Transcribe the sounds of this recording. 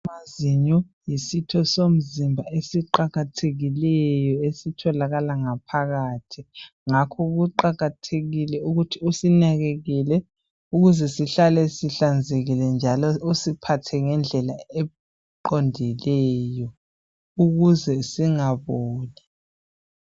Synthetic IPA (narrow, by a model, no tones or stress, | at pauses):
maziɲɔ | jisitʰɔsom̩zimbʱaesiǃaɣatʰeɣilɛjɔesitʰɔlaɣalaŋapʰaɣaːtʰi | ŋakʰɔɣuǃaɣatʰeɣilɛuɣutʰiusinaɣeɣilɛ | uɣuzɛsiɬalɛsiɬand͡zʱeɣilɛnd͡ʒʱalɔusipʰatʰɛŋɛnd͡ɮʱɛlaɛ | ǃɔndʱilɛjɔ | uɣuzɛsiŋaβɔːna